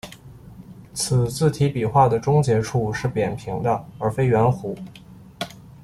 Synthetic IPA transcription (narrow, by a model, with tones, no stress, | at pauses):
t͡sʰɹ̩˨˩t͡sɹ̩˥˩t̪ʰi˧˥pi˨˩xwa˥˩d̪ə˩ʈ͡ʂʊ˥ŋt͡ɕjɛ˧˥ʈ͡ʂʰu˥˧ʂɻ̩˥˩pjɛ˨˩npʰi˧˥ŋd̪ə˧ə˞˧˥fe˥ɪɥɛ˧˥nxu˧˥